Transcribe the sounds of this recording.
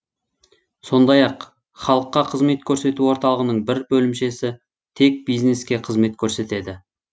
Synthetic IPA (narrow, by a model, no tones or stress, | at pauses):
so̞nd̪ɑjɑq | χɑlˠəqːɑqʰəzme̞t̪kʲʰɵɾse̞t̪uwo̞ɾt̪ɑlˠəʁənəɴbɪɾbɵlɪmʃe̞sɪ | t̪ʰe̞k̚bijzne̞skʲe̞qʰəzme̞t̪kʲʰɵɾse̞t̪e̞d̪ɪ